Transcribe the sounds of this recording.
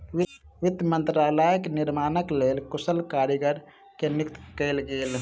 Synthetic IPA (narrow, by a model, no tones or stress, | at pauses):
ʋɪd̪jmə̃nt̪ɾaːlaːjəknɪɾmaːnəkleːlkʊsəlkaːɾiɡəɾ | kenɪkt̪kɛːlɡeːl